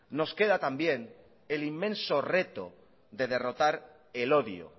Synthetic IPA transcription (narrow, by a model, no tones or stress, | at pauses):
no̞ske̞ð̞at̪ambje̞n | elimːẽ̞nsore̞t̪o̰ | d̪e̞ð̞e̞ro̞t̪aɾ | eloðjo̰